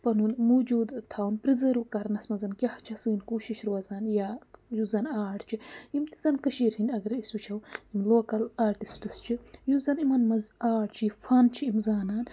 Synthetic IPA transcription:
pɐnunmud͡ʒuːd̪t̪ʰawnpɾizɐɾukɐɾnɐsmɐzɐnkʲɐht͡ʃʰɐsɨːnkuːʃiʃɾwɐzaːnjaːjuzɐnaːʈt͡ʃʰiimt̪izɐnkɐʃiːɾhind̪ʲɐɡɐɾiswit͡ʃʰɐwimloːkɐlaːɾʈisʈɨst͡ʃʰijuzɐnimɐnmɐzaːɽt͡ʃʰifʰaːnt͡ʃʰiimzaːnaːn

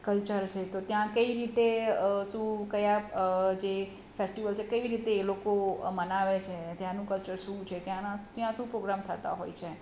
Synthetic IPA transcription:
kəlt͡ʃəɾt͡ʃʰet̪ot̪jãkəiɾit̪eəʃũkəjad͡ʒe | fesʈiʋəlt͡ʃʰekəʋiɾit̪eːlokomənaʋet͡ʃʰet̪jãnũkəlt͡ʃəɾʃũt͡ʃʰet̪jãnat̪jãʃũpɾoɡɾamt̪ʰət̪a̰ɦo̰jt͡ʃʰe

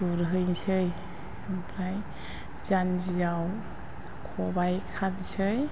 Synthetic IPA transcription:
ɡ̥uɾɦɯjnsɯj | ampʰɾaj | zand͡ʒizaw | kʰɔbajkʰalsɯj

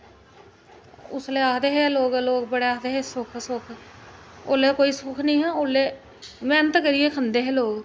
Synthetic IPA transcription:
ʊ̰sleːaːkd̪eːɦɛːloːɡloːɡbəɽeːaːd̪eːɦɛːsʊkʰsʊkʰ | o̰ːleːkoːiːsʊkʰnĩːɦɛ̃ːoːleː | mɛːnət̪kəɾiːeːkʰənd̪eːɦɛːloːɡ

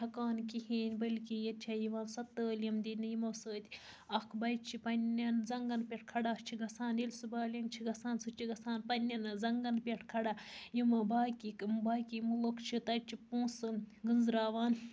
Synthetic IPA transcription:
tʰɐkaːnkiheːnʲbɐlʲkijɐt͡ʃʲʰajiʋaːnsɐt̪ːəːljɐmd̪inɨjimɐsəːt̪ʲ | ɐkʰbɐjt͡ʃʰipɐnʲːɐnzɐŋɡɐnpʲeʈ̚ʰkʰɐɽaːt͡ʃʰiɡɐsaːnilʲsubaːlʲjɐmt͡ʃʰiɡɐsaːnsɨt͡ʃʰiɡɐsaːnpɐnʲːɐnzɐŋɡɐnpʲeʈʰkʰɐɽajimɐbaːkikmbaːkʲimulokʰt͡ʃʰit̪ɐt͡ʃʰipũːsɨɡɨnzɾaːʋaːn

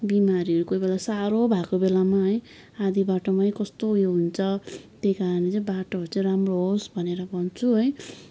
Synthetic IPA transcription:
bimaɾiʌɾukobelasaɾobʱakobelamaɦʌj | ad̪ibaʈomaj̃kʌst̪ojoɦunt͡sʰʌt̪ejkaɾʌnet͡saĩbaʈoɦʌɾut͡saĩɾamroɦosbʱʌneɾʌbʌnt͡sʰuɦʌj

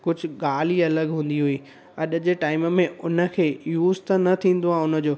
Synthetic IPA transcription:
kʊd͡ʑʱʊ̆ɠaːl̤iɐləɠɦũːn̆d̪iɦuiː | ɐɗd͡ʑeʈaːɪməmẽʊnə̆kʰeːjuːzt̪ənɐt̪ʰĩːn̆d̪oãːʊnə̆d͡ʑoː

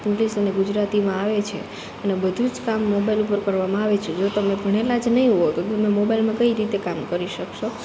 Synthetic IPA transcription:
polisəneɡud͡ʒɾat̪imãaʋet͡ʃʰḛ | ənebəd̪ʱud͡ʒkamːobailupəɾkəɾʋamãaʋet͡ʃʰed͡ʒot̪əmẽbʱəɽ̃elad͡ʒnəɦĩɦoot̪ot̪əmemobailmãkəiɾit̪ekamkəɾiʃəkʃo

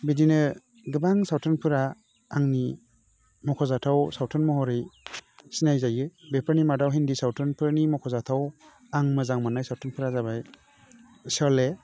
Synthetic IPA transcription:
bedinɯ | ɡɯbaŋsawtʰɔnpʰɯɾaː | ŋni | mɔkʰɔzatʰawsawtʰɔnmɔɦɔɾɯjsinajzajɯbepʰaɾnimadawɦindisawtʰɔnpʰɯɾnimɔkʰɔzatʰaw | aŋmɯzaŋmanajsawtʰɔnpʰɯɾazabaj | sɔle

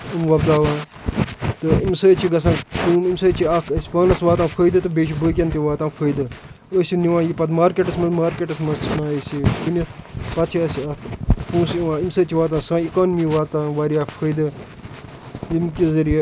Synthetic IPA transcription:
imʋɐbd̪aːʋãː | t̪ɨimsəːt͡ʃʰiɡɐs̬ãːnkuːmimsəːt͡ʃʰiakʰɐsʲi̥pɐːnɐsʋaːt̪ãːpʰəːjd̪ɨt̪ɨbeːʃibəːk̬ʲɐnt̪iʋaːt̪ãːnpʰəːjd̪ɨ | əsʲiniwãːjipɐt̪maːɾkeʈɐsmɐmaːɾkʲeːʈɐsmɐkʰsnãːəsikunʲɐpɐt̪t͡ʃʰiɐsiɐpũːsiʋãːimsəːt͡ʃʰiʋaːt̪ãːsãːikaːnmiʋaːt̪ãːʋaːɾijaːpʰəːjd̪ɨ | jimkʲizɐɾije

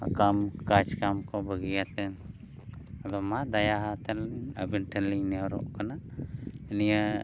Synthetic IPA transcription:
kamkat͡ʃkamkɔbəɡijat̪ɛn | d̪ɔmad̪ɐjaɦat̪ɛləbinʈʰəlinɛɾɔ̰ʔkana | nija

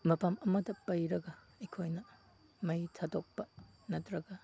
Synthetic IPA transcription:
mɐpamɐmɐdɐpɐjɾɐɡɐ | ikʰojnɐ | mɐjtʰɐdok̚pɐ | nɐtɾɐɡɐ

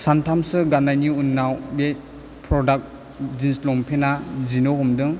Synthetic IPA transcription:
santʰamsɯɡanajniunːawbe | pʰɾɔdak̚ | zinslɔmpʰenazinɔɦɔmdɯŋ

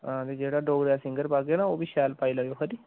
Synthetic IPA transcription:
ãːt̪eːd͡ʒeːɽaːɖoːɡɾaːsɪ̃ŋɡəɾpaːɡeːnaːoːʋiːʃɛːlpaːiːlaːjoːkʰəɾiː

